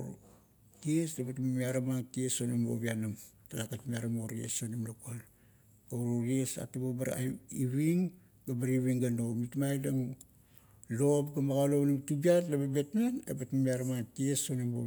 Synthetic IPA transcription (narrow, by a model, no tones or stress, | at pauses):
kiesdebatmamiaɾamaŋkiesonembo̰βianamtalakatmiaɾamoɾiḛsonimlakal | aɾoɾiesa̰tababaɾa̰iβiŋ | ɡabaɾiβiŋɡano̞mitmajdaŋ | lo̞pɡamaɡaloβnimtubiatlababe̞tnanḛbatmamiaɾamaŋkiesonimbo̰